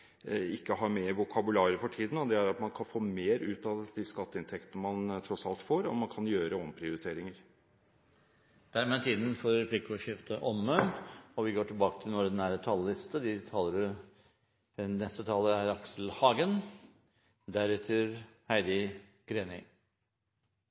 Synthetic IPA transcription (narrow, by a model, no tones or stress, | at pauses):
ɪkːəɦɑɾmeːɾʋʊkʰɑbʉlɑːɾəfɔʈʰiːd̪ən̩ɔd̪ɛæɾɑt̪mɑnkʰɑnfoːmeːɾʉːt̪ɑʋd̪iskɑt̪ːəɪnt̪ʰɛkt̪ənəmɑnt̪ʰɾɔsɑ̰lt̪foːɾɔ̰mɑnkʰɑnjøːɾəɔmpʰɾɪʊɾɪt̪ʰeːɾɪŋəɾ | d̪̥æɾmeːt̪ʰiːd̪n̩fɔɾɛpʰliːkɔʂɪft̪ʰəʔɔmːəɔʋɪɡoːʈʰɪlbɑːkət̪ʰɪlnɔːd̪næːɾət̪ʰɑləlɪst̪əd̪ɪt̪ʰɑːləɾɪ | nɛst̪ət̪ʰɑːləæɾɑksl̩hɑːɡən | d̪æɾʉːt̪ʰəɾhæɪd̪ɪ | ɡ̥ɾeːnɪ̰